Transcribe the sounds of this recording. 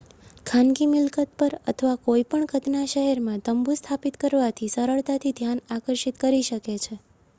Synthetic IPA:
kʰanɡimɪlkət̪̚pəɾə̰t̪ʰəʋakoipəɳɡʱət̪naʃəɦɛɾmãt̪əmbust̪ʰapit̪kəɾʋat̪ʰisəɾəɭt̪at̪ʰid̪ʱjanakəɾʃit̪kəɾiʃəket͡ʃʰe

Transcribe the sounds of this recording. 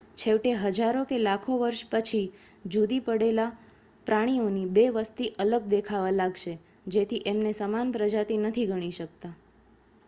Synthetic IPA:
t͡ʃʰeʋʈeɦəd͡ʒaɾokelakʰoʋəɾʃpət͡ʃʰi | d͡ʒud̪ipəɽela | pɾaɽ̃ionibeʋəst̪iʔələɡ̚d̪ekʰaʋalaɡʃe | d͡ʒet̪ʰiʔemnesəmanpɾəd͡ʒat̪inət̪ʰiɡəɽ̃iʃək̚t̪a

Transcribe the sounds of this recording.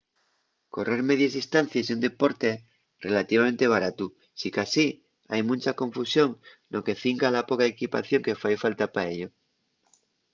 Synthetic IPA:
ko̞re̞ɾmeð̞jazist̪an̟θjasiund̪e̞po̞ɾt̪e̞ | re̞lat̪iβament̪e̞β̞aɾat̪u | sikasi | ajmũnʲt͡ʃako̞ɱfusjo̞ŋnoke̞θiŋkalapokaekipa̰θjo̞ŋke̞fajfalt̪apaeʎo

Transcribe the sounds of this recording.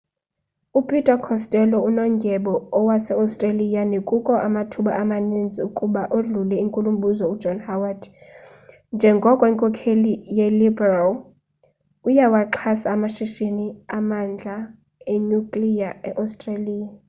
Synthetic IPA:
upʰʼitʼakʰɔstʼɛlɔunɔŋɡʱɛɓɔːwasɛawstʼralijanekʼukʼɔʔamatʰuɓaʔamanind͡zʱiukʼuɓaʔoɮulɛiŋkʼulumɓʱuzɔudd͡ʒʱɔnhawad | nd͡ʒʱɛŋɡʱɔkʼɔiŋkʼɔkʰelijɛlibɛral | ujawaǁʰasaːmaʃiʃiniamand͡ɮʱa | eɲukʼlijaɛʔastʼraliːja

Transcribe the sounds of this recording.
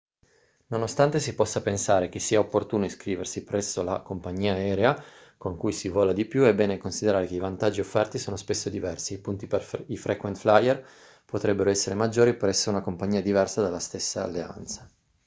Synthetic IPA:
nonost̪ant̪esipɔsːapensaːɾek̟esːiːaopːort̪uːnoiskɾiːversipɾɛsːola̰kompaɲːiːaɛːɾea | koŋkujsivɔːlad̪ipjuebːɛːnekonsid̪eɾaːɾekeivant̪ad͡ʒːiofːɛrt̪isoːnospesːod̪ivɛrsiːpunt̪iperifɾʔɛkwent̪flajɛr | pot̪ɾɛbːeɾoɛsːeɾemad͡ʒːoːɾipɾɛsːounakompaɲːiːad̪ivɛrsad̪alːast̪esːa̰ːlːea̰nt̪sḁ

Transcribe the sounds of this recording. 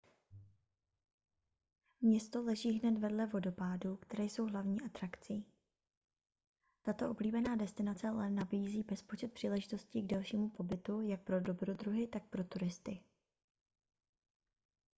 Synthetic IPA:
mɲɛst̪o̞lɛʒiːɦnɛt̪vɛdlɛvo̞do̞paːduːkt̪ɛɾɛjso̞wɦlavɲiːʔat̪ɾakt͡siː | t̪at̪o̞ʔobliːbɛnaːdɛst̪ɪnat͡sɛalɛnabiːziːbɛspo̞t͡ʃɛt̪pr̝̥iːlɛʒɪt̪o̞sciɡdɛlʃiːmupo̞bɪt̪ujak̚pɾo̞do̞bɾo̞d̪ɾuɦɪt̪ak̚pɾo̞t̪uɾɪst̪ɪ

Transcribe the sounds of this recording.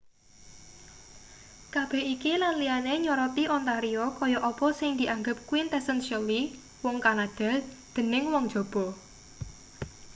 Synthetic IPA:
kab̥ɛ̤hikilanlianeɲɔɾɔt̪iʔɔnt̪aɾiɔkɔjɔʔɔpɔsɪŋd̪̥iʔaŋɡəp̚kwint̪ɛsənʃəli | wɔŋkanad̪̥ɛ̤l | d̪̥ə̤nɪŋwɔŋd̥ʒ̥ɔ̤b̥ɔ̤

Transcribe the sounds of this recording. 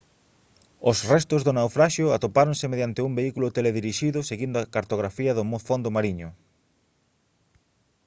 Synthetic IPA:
ʊsrɛst̪ʊzðʊnawfɾaʃjʊat̪opaɾonsɪmeðjant̪ɪumbeikulʊt̪eleðiɾiʃiðʊseɣind̪ʊakaɾt̪oɣɾafiɐðʊmofond̪ʊmaɾiɲʊ

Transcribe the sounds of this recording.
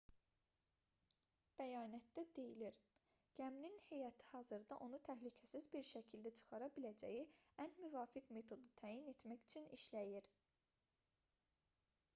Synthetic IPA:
b̥æjɑːnæt̪̚d̪æd̪e̞jiliɾ | ɟ̥æmninhe̞jɑt̪ʰi̥hɑːzɯɾd̪ɑʔo̞nut̪ʰæɦlycʰæsizbiɾʃæcʰild̪æt͡ʃʰɯ̥xɑɾɑbilæd͡ʒæ̰jiænmyvɑːfikme̞t̪ʰo̞d̪ut̪ʰæːjine̞t̪mæçy̥t͡ʃʰyniʃlæjiɾ

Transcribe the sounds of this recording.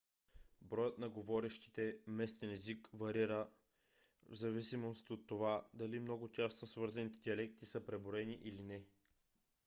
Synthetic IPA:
bɾɔjət̪nɐɡovɔɾɛʃt̪i̥t̪ɛmɛst̪ɛnɛzikvɐɾiɾə | vzɐvisimost̪ot̪ːovad̪ɐlimnɔɡʊt̪ʲasnosvɤɾzɐnit̪ɛd̪iɐlɛk̚t̪isəpɾɛboɾɛniʔilinɛ

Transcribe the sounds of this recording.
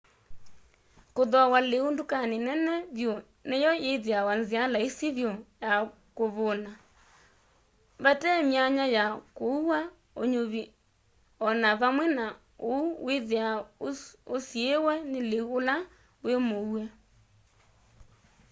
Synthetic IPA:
koðɔawaleondokanenɛnɛðjɔ | nejɔeðeawanzialaesiβjɔja | koβɔna | βatɛmiaɲajakouwa | oɲoβi | ɔnaβamwɛna | ouweðea | osiewɛneleuola | wemowɛ

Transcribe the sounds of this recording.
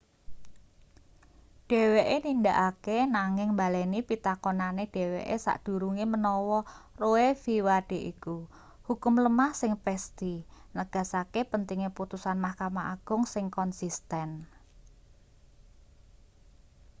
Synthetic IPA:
ɖ̥e̤weʔenind̪aʔakenaŋɪŋmbalɛnipit̪akɔnaneɖ̥e̤wḛʔesa̰ʔd̥ṳɾuŋimənɔwɔroefiwaɖ̥e̤ʔiku | hukʊmləmahsɪŋpɛst̪inəɡ̥a̤sakepənt̪iŋeput̪usanmahkamaʔaɡ̥ʊŋsɪŋkɔnsist̪ɛn

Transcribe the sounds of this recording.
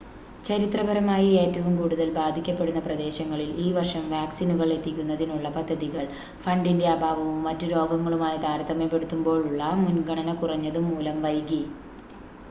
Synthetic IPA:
t͡ɕɐɾit̪rɐbɐɾɐmaːjie̞ːtːɐʋumkuːɽuðɐlbaːd̪ʱikʲːɐpːe̞ɽunːɐprɐd̪e̞ːɕɐŋːɐɭiliːʋɐrʂɐmʋaːksinuɣɐɭe̞t̪ːikʲːunːɐðinuɭːɐpɐd̪ʱːɐðiɣɐɭ | fɐɳɖinde̞ɐbʱaːʋɐʋumːɐtːuɾo̞ːɡɐŋːɐɭumaːjit̪aːɾɐt̪ːɐmepːe̞ɽut̪ːumbo̞ːɭuɭːɐmunɡɐɳɐnɐkurɐɲːɐðɨmuːlɐmʋɐjɡi

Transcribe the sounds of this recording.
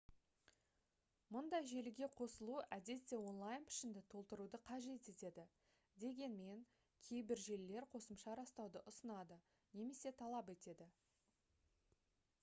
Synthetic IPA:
mʊnd̪ɑjʒe̞lɪɡʲe̞qʰo̞səlˠuʔæd̪e̞t̪ːe̞wo̞nlˠajnpʰɪ̥ʃɪnd̪ɪt̪ʰo̞lˠt̪əɾud̪əqʰɑʒe̞t̪e̞t̪e̞d̪ɪ | d̪e̞ɡʲe̞nme̞ŋ | kʲʰe̞jbɪɾʒe̞lːe̞ɾqʰo̞səmʃɑɾɑst̪ɑwd̪əʔʊsənɑd̪ə | ne̞me̞se̞t̪ʰɑlˠɑpe̞t̪e̞d̪ɪ

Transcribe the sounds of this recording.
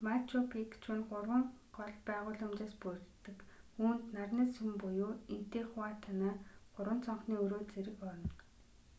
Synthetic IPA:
mat͡ɕʰʊpʰekt͡ɕʰʊnɢʊrwə̆ŋɢɔɮpæːʁʊːɮʊmt͡ɕaːspurt̪ːɘ̆kuːnt̪narnaːsumpʊjoːint̪eːχʊaːt̪ʰanaːɢ̥ʊrwə̆nt͡sʰɔɴχniːɵɾoːt͡seɾɘ̆kɔɾɞ̆nt̪

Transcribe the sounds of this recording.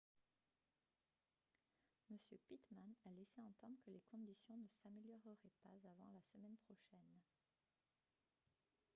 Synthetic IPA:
məsjøpit̪manalɛseɑ̃t̪ɑ̃d̪ʁəkəlekɔ̃d̪isjɔ̃nəsameljɔʁəʁɛpa̰zavɑ̃lasəmɛnpχɔʃɛn

